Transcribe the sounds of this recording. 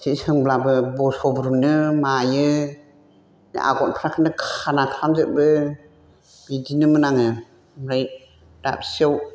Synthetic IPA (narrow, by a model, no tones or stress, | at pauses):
sʰisɯŋblabɯbɔsɔbɾunɯmajɯ | nḭʔa̰ɡɔnpʰɾakʰɯnɯkʰanakʰɾamzɯt̚bɯ | bidinɯmɯnaŋɯ | mɾaj | da̰p̚siaw